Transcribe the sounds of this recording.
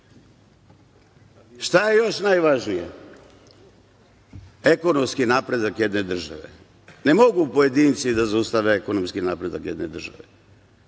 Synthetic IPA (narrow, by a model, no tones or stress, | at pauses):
ʃt̪ajejo̞ʃnajʋaʒnije | eko̞no̞mskinaːpɾe̞d̪akjed̪ne̞d̪r̩ʒa̰ʋḛ | nemo̞ɡupoje̞d̪iːnt̪sid̪azaust̪aʋeeko̞nomskinaːpɾe̞d̪akjed̪ne̞d̪r̩ʒa̰ʋe